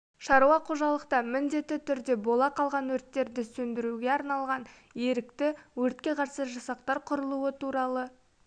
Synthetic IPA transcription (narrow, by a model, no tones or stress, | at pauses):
ʃɑɾuɑqʰoʒɑlˠəqt̪ɑmɪnd̪e̞t̪ːɪt̪ʏɾd̪e̞bo̞lˠɑqʰɑlˠʁɑnwɵɾt̪ːe̞ɾd̪ɪsɵnd̪ɪɾuɡʲe̞ɑɾnɑlˠʁɑn | e̞ɾɪkt̪ɪwɵɾt̪̚kʲe̞qʰɑɾsəʒɑsɑq̚t̪ɑɾqʰʊɾəlˠuət̪ʰuɾɑlˠə